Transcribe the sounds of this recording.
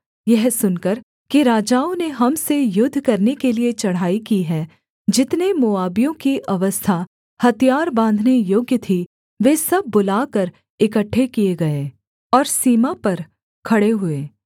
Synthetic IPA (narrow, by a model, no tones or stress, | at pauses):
jɛɦsʊnkəɾ | kiɾaːd͡ʒaːõneɦɐmsejʊd̪ʱːkɐɾnekeliet͡ʃɐɽ̤ɦaːikiɦɛː | d͡ʒɪt̪nemʊaːbijõkiʔɐʋəst̪ʰa | hɐt̪ijaːɾbãːnd̪ʱnejoːɡjət̪ʰi | ʋeːsɐb̚ʱːʊlaːkɐɾ | ɪkəʈʰːekieɡɐeː | ɔːɾsiːmapɐɾ | kʰɐɽeɦʊeː